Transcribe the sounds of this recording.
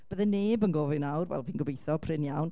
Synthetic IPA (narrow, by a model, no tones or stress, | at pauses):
b̥əðɛneːbənɡoːvɨnawrvɛ̰lˠviːnɡʊbejθɔpʰrɪnjawn